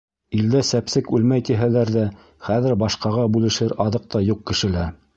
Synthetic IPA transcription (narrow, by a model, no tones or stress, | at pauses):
ild̪æsæpsɘkʉlmæjt̪iɦælæɾðæ | χæðɘ̆ɾbɑʃqɑʁɑbʉlɘ̆ʃɘɾɑðɤq̚t̪ɑjuq̚kɘ̆ʃɘ̆læ